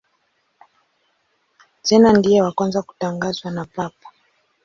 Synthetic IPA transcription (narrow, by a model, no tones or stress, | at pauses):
tɛnandijɛwakwanzaku̥taŋɡazwanapapɔ̥